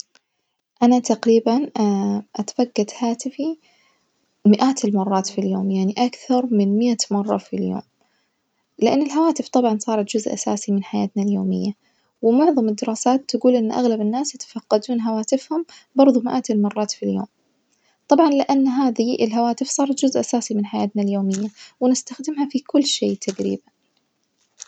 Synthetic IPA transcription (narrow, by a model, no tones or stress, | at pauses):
ʔanat̪aqɾiːbanʔat̪ḁfaɡːat̪haːt̪ɪfi | mɪʔaːt̪ɪlmɑrˤːɑːt̪filjo̰ːmjaʕniʔakθɑɾˤmɪnmɪʔamɑrˤːɑ̰filjo̰ːm | lɪʔanːɪlɦawaːt̪ɪft̪ˤɑbʕɑnsˤɑːɾˤɑt̪d͡ʒʊzʔa̰sa̰ːsimɪnħaja̰ːt̪naljoːmɪ̰jːa | wɪmʊʕðˤɑmɪd̪ːɪɾɑːsaːt̪ːaɡuːlʔɪnːʔa̰ɣlabɪnːaːsjat̪ḁfɑqːɑd̪uːnɦawaːt̪ɪfhʊmbɑɾˤðˤumɪʔaːt̪ɪlmɑrˤːɑːt̪filjo̰ːm | t̪ˤɑbʕɑnlɪʔanːɦaːðiʔɪlɦawaːt̪ɪfsˤɑːɾˤɑt̪d͡ʒʊzʔasaːsimɪnħajaːt̪naljoːmɪjːawɪnɪst̪axd̪ɪmɦafikʊlːʃeːt̪ʰaɡɾḭːban